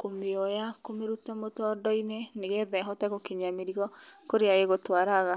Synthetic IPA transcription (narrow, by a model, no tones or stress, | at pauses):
komeɔjakomeɾutamotɔːdɔineneɣɛðɛɦɔtɛɣokeɲameɾiɣɔkoɾeaɣeɣotwaɾaɣa